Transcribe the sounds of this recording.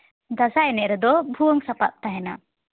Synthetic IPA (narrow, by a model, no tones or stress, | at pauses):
d̪asaɛnɛʔɾɛd̪ɔbʱuəŋsapa̰t̪̚t̪aɦɛna̰